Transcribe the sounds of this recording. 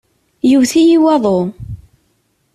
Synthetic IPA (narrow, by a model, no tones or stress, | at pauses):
juvθijiwɑðˤo